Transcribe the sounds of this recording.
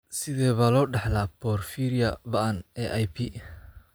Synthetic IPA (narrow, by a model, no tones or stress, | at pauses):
sɪðɛːβɐlɔːɖɑħlaːpʰɔːrfiːɾɪjɐbɐʔɐnɛːʔajpʰi